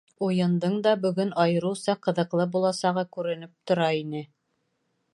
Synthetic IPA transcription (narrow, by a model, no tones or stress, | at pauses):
ujɤ̆nd̪ɤɴd̪ɑbɵ̆ɡɵnɑjɤ̆ɾɤwsɑqɤ̆ðɤ̆qlˠɤbulˠɑsɑʁɑkʉɾɘ̆nɘp̚t̪ŏɾɑinɘ